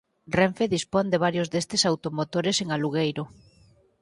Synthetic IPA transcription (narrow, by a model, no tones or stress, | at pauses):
reɱfeðispond̪eβ̞aɾjozðest̪esawt̪omot̪oɾeseŋaluɣejɾʊ